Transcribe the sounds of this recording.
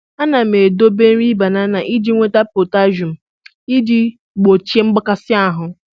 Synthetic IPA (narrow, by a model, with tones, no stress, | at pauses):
a˦na˨m̩˨e˨do˦be˦n̩˦ɾi˦ba˨na˦na˨ʔi˦di˦ŋʷe˦ta˦po˨ta˦ʒu˨m̩˨ | i˦di˦ | ɡ͡bo˨t͡ʃe˦ŋ͡m̩˦ɡ͡ba˦ka˦sɪ˦a˦ɦʊ˨